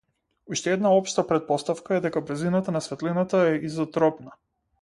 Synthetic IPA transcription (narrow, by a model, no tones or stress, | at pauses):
uʃt̪ɛɛd̪naɔpʃt̪apɾɛt̪̚pɔst̪afkaɛd̪ɛkabɾzinat̪anasvɛt̪linat̪aɛʔizat̪ɾɔpna